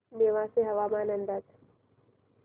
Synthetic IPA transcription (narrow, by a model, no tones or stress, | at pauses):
neːʋãseɦɐʋaːmaːnə̃nd̪at̪